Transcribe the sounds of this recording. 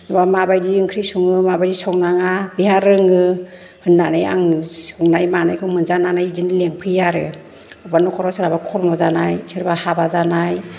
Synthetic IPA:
ɔbamabajdiɯŋkʰɾisuŋɯmabajdisɔwnaŋabiɦaɾɯŋɯ | hɯnːanaja̰ŋsɔŋnajmanajkʰɯŋmɯnzananajdinileŋpʰɯjaɾɯ̰ | ɯbanɔkʰɔɾɔsɯɾabakʰɔɾmɔzanajsɯɾbahabazanaj

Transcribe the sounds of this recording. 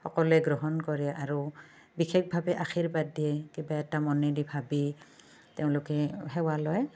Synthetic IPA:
xɔkɔlɛɡɹɔɦɔnkɔɹɛʔaɹu | bixʰɛk̚ʰbʱabɛʔaxʰiɹbadiɛkibaɛtamɔnɛdibʱabi | teʊ̃lʊkɛɦɛwalɔj

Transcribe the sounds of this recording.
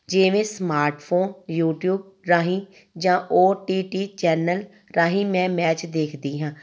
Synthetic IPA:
d͡ʒeːʋẽːsmaːɾʈpʰoːnjuːʈjuːb̚ | ɾaːɦĩː | d͡ʒãːʔoːʈiːʈiːt͡ʃɛːnəl | ɾaːɦĩːmɛ̃ːmɛːt͡ʃd̪eːkʰd̪iːɦãː

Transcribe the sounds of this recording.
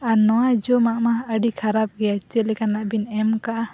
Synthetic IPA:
anɔwad͡ʒɔmaʔmaəɖikʰaɾap̚ɡɛat͡ʃɛlɛkanaʔbinɛmkaʔa

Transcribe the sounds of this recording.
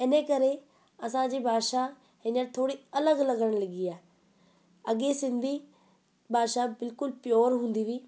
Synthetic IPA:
ɪnəkɐɾe | ɐsãd͡ʑiːbʱaːd̪ʃa | ɦɪ̃nəɾt̪ʰoːɽiɐləɡlɐɡəɽ̃lɐɠiaːɦe | ɐɠesɪ̃nd̪ʱi | bʱaːʃabɪlkʊlpjoːɾɦũːn̆d̪iʋiː

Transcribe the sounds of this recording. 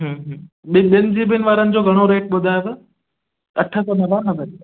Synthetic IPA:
ɦə̃ːɦə̃ | ɓɪɓɪnɪ̆d͡ʑiːbɪnɪ̆ʋaːɾənɪ̆d͡ʑoːɡʱɐɽ̃oɾeːʈ̚ɓʊd̪ʱaːet̪ɐ | ɐʈʰəsɔːnɐʋaːnɐbən

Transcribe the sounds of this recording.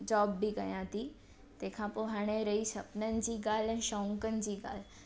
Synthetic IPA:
d͡ʒɔːbːiɡəjãt̪i | t̪ekʰãpoɦaɽ̃eɾəit͡ʃʰəpnənd͡ʒiɡalənʃɔ̃ŋkənd͡ʒiɡa̰l

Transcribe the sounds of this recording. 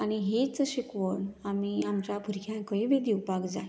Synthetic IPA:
añiɦet͡səɕikʋənamiːamt͡ɕabʱuɾkʰjãkəɭibid̪iwpaɡd͡zaj

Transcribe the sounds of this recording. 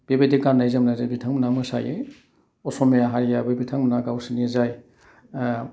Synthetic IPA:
b̥ebedikaɾnajzamnazajbitʰaŋmɯnamɯsa̰je | ɔsɔmejaɦaɾijabɯjbitʰaŋmunaɡawsinizaj

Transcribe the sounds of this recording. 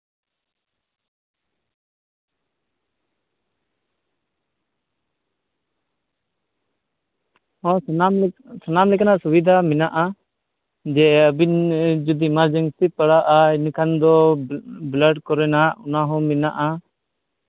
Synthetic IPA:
ɔ̃namsanamlɛkanaʔsubid̪ʱamɛnaʔa | d͡ʒɛəbind͡ʒud̪imaɾd͡ʒəŋsipaɽaʔainikʰand̪ɔ | bləɖkɔɾɛnaʔɔnaɦɔ̃mɛnaʔa

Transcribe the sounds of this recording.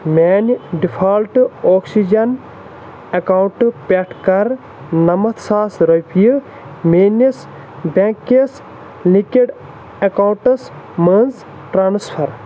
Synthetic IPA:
mʲeːnɖipʰaːlʈoːksid͡ʒɐn | ɐkawɳʈpʲeʈʰkɐɾ | nɐmɐt̪ʰsaːsɾɐpijɨ | meːnis | beŋkɐs | likiɖ | ɐkawɳʈɐs | mɐnz | ʈɾaːnspʰɐɾ

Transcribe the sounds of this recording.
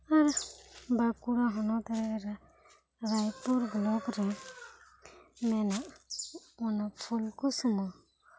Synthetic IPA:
aɾbakuɾaɦɔnɔt̪aɾɛɾa | ɾajpuɾɡlɔɡɾɛ | mɛnaʔ | ɔnapʰulkusumɔ

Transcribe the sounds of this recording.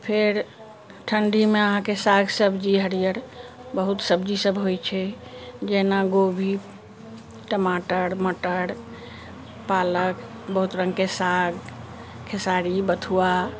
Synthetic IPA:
pʰeɾ | ʈʰəɳɖʱimeəɦãkesaɡsəbd͡ʒiɦəɾijəɾbəɦut̪səbd͡ʒisəbʱɦojt͡ʃʰɛd͡ʒɛnaɡobʱi | ʈəmaʈəɽməʈəɽ | palək | bəɦut̪ɾə̃ŋɡkesaɡ | kʰesaɾibət̪ʰua

